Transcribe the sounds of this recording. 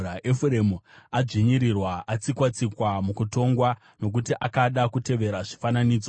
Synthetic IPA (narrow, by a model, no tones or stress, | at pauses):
aʔefuɾemuaʐiɲiɾirwaʔat͡sikwat͡sikwamukuto̞ŋɡwa | no̞k̬utiʔakaɗakute̞ʋe̞ɾaʐifananiːd͡zo